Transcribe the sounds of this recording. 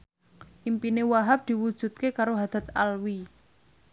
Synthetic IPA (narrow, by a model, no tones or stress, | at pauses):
ʔimpinewaɦap̚d̪̥i̤wud̥ʒ̥ṳt̪̚kekaɾoɦad̪̥a̤t̪̚alwi